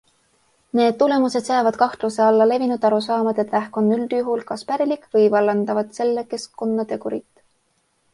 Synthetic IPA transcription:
ne̞ːd̪̥t̪ule̞muse̞d̪̥sɑɑːvɑd̪̥̚kɑht̪luse̞ɑlːɑle̞vinud̪̥ɑɾus̬ɑːmɑd̪̥e̞t̪ːlæhko̞nːyld̪̥juɦulkɑspæɾilikːˑvɤjvɑlːɑnd̪ɑvɑd̪̥se̞lːeke̞skko̞nːɑt̪e̞kuɾit̪ːˑ

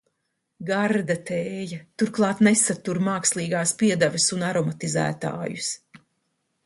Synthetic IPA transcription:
ɡaɾd̪at̪eːjɐt̪uɾklˠɑːt̪nesat̪uɾmaːkslˠiːɡaːspiɛd̪avʲɪsunaɾɔmat̪izæ̰ːt̪a̰ːjus

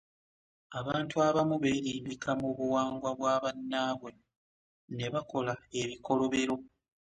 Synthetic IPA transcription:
aβaːntuaβamuβe̞ːɾiːmbikʰamuβuwaːŋɡwaβwaːβanːaːβwe̞ | ne̞βako̞lae̞βiko̞lo̞βe̞ɾo̞

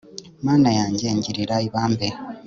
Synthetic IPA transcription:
maːnajaːɲɟeːɲɟiɾiɾaiβaːmbe

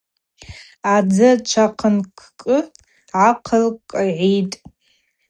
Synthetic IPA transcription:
ad͡zɨt͡ʃʷʰaqʰənkʷʰkʼɨ | ʕaqʰəlkkʼaʕijtʼ

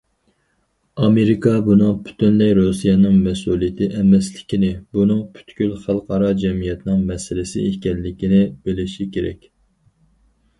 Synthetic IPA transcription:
ɑmeɾɪkʰɑbunɨŋpʰy̥t̪ʰynlɛjɾusijɛnɨŋmɛsulˠijɪt̪ʰɪʔɛmɛslɪkʲinɪbunɨŋpʰy̥t̪kʲylχælˠqʰɑɾɑd͡ʒɛmijɛt̪nɨŋmɛsɪlɪsɪ̰ekʲɛnːɪkʲinɪb̥elɪʃikʲeɾɛ̰kʲ

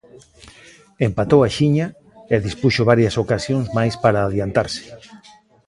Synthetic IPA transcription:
empat̪owaʃiɲa | eðispuʃoβaɾjasokasjoŋsmajspaɾaːðjant̪aɾsɪ̥

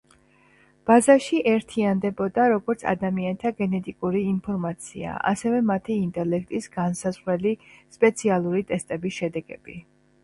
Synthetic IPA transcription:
b̥azaʃiʔɛɾt̪ʰiand̪ɛbɔd̪aɾɔɡɔɾt̪sʰa̰d̪amiant̪ʰaɡɛnɛt̪ʼikʼuɾiːnpʰɔɾmat̪sʰḭa̰ʔa̰sɛvɛmat̪ʰiːnt̪ʼɛlɛkʰt̪ʼisɡ̥ansazʁɾɛlispʼɛt̪sʰialˠuɾit̪ʼɛst̪ʼɛbisʃɛd̪ɛɡɛb̥i

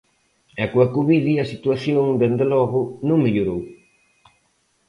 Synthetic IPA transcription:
ɛkoɐkuβiðiɐsit̪waθjoŋd̪end̪elɔɣʊnõŋmeʎoɾow

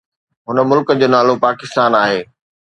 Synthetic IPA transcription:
ɦʊnə̆mʊlkəd͡ʑoːnaːlopaːkɪst̪aːnaːɦeː

